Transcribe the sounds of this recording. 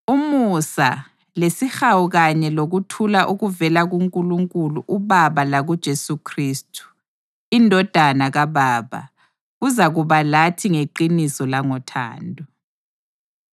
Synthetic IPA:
umusa̰ | lesixawuɣaɲɛloɣutʰulaʔuɣuvɛlaɣuŋkʼuluŋkʼuluʔuβaβalaɣud̥ʒ̥ʱesukʰriːstʰʼu̥ | indʱɔd̥ʱanaɣaβaːβa̰ | ɣuzaɣuβalatʰiŋeǃinisɔlaŋɔtʰa̰ːndʱʼɔ

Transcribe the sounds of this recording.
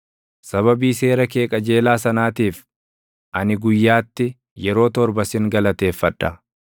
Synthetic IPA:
sɐβɐbiːse̞ːɾɐkeːkʼɐd͡ʒe̞ːlaːsɐnaːt̪iːf | ʔɐnɪɡʊjːaːt̪ːɪ | jɛɾo̞ːt̪ɔɾbɐsɪŋɡɐlɐt̪e̞ːfːɐᶑɐ

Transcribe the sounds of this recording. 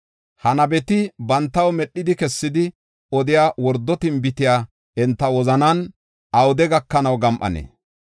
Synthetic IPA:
hɐnɐbɛt̪ɪbɐnt̪ːɐwmɛɗːɪd̪ɪkɛsːɪd̪ɪ | ɔd̪ɪjaːwɔɾd̪ːɔt̪ɪmbɪt̪ɪjaː | ɛnt̪ːɐwɔzɐnɐn | ɐwʊd̪ɛɡɐkːɐnɐwɡɐmʔɐ̰nḛː

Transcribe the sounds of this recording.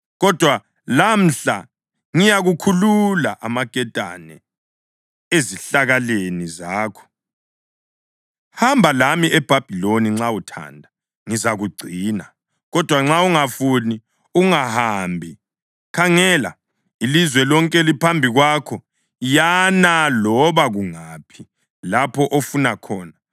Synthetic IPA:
ɣɔd̥ʱwa | lam̩ɬa | ŋijaɣukʰululaʔamaɡ̥ʱɛd̥ʱa̰nɛ̰ | eziɬaɣalenizaːkʰɔ̥ | hambʱalamiʔɛb̥ʱab̥ʱiloniŋ͡ǁautʰa̰ndʱa | ŋizaɣuɡ͡ǀʱiːna | ɣɔd̥ʱwaŋ͡ǁauŋafuni | uŋahaːmbʱi | kʰaŋɛla | ilizwɛlɔŋkʼɛlipʰambʱiɣwakʰɔ | janalɔβaɣuŋaːpʰi | lapʰɔʔofunakʰɔːna

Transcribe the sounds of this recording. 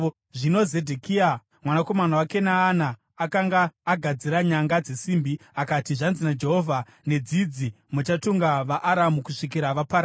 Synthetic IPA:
ʐino̞ze̞dʱekia | mwanako̞manawake̞naːnaː | kaŋɡaːɡʱad͡ziɾaɲaŋɡad͡ze̞simbiakatiʐanzinad͡ʒe̞ɦovʱa | ne̞d͡zid͡zi | mut͡ʃatuŋɡaʋaʔːɾamukuʂik̬iɾaʋapaɾ

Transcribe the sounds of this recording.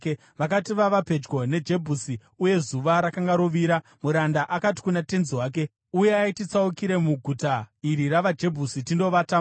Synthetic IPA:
ʋakatiʋaʋape̞d͡ʒɡo̞ne̞d͡ʒe̞bʱusi | uje̞zuʋaɾakaŋɡaɾoʋiɾa | muɾandaʔakati̥kunate̞nziwaːk̬e̞ | uje̞aitit͡saukiɾe̞muɡʱutaiɾiraʋad͡ʒe̞bʱusitindo̞ʋata

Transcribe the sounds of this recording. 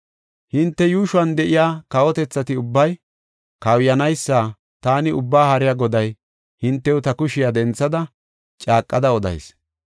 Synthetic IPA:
hɪnt̪ːɛjuːʃʊwɐnd̪ɛʔɪjaːkɐwɔt̪ɛt͡sːɐt̪ɪʊbːɐj | kɐwjɐnɐjsːaː | t̪aːnɪʊbːaːhɐɾɪjaɡɔd̪ɐj | hɪnt̪ːɛwʊt̪ɐkʊʃɪjad̪ɛnt͡sːɐd̪ɐ | t͡ʃʼaːkʼːɐd̪ɐɔd̪ɐ̰js

